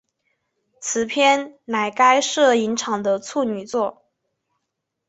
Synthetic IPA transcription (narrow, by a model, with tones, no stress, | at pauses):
t͡sʰɹ̩˨˩pʰjɛ˥˩nna˨˩ɪka˥ɪʂɤ˥˩i˧˥nʈ͡ʂʰɑ˨˩ŋd̪ə˦t͡sʰu˥˩ny˨˩t͡swɔ˥˩